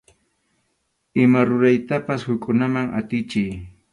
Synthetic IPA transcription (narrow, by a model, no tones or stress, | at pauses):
ɪmaɾʊɾajt̪apashʊkʼʊnamaŋʔa̰t̪ɪt͡ʃɪj